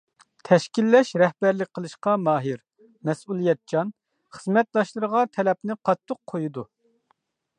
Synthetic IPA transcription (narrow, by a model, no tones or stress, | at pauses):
t̪ʰɛʃkʲilːɛʃɾɛhbæɾlɪk̚ʲqʰəlˠɨʃqɑmɑːɦɨɾ | mɛsulˠijɛt̪̚d͡ʒɑn | χəzmɛt̪̚d̪ɑʃlˠɨɾəʁɑt̪ʰɛlɛpnɪqʰɑt̪ʰːʊqʰːojud̪u